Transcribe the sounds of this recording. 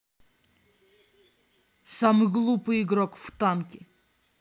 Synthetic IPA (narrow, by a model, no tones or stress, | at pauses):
samɨɣlˠupɨjiɡɾɔkft̪ankʲɪ